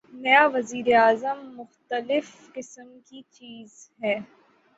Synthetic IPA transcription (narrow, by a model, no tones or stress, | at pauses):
mejaʋɐziːɾeaːzəmːʊxt̪əlɪf | qɪsəmkit͡ʃiːzɦɛː